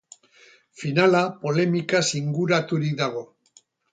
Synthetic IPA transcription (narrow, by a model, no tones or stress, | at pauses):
finalapo̞le̞mikasiŋɡuɾat̪uɾik̚d̪aɣ̞o̞